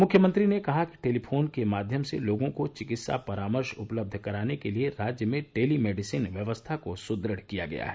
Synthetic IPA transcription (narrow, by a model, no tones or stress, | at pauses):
mʊkʰjəmə̃nt̪ɾinekɐɦaki̥ʈeːlipʰoːnkemaːd̪ʱjəmsḛloːɡõkot͡ʃɪkɪt̪sa̰pɐɾaːməɾʃʊpləb̚d̪ʱkɐɾaːnekelieɾaːd͡ʒjəmẽʈeːlimeːɖɪsiːnʋjɐʋəst̪ʰakosʊd̪ɾəɽ̤kija̰ɡɐ̰ja̰ɦɛː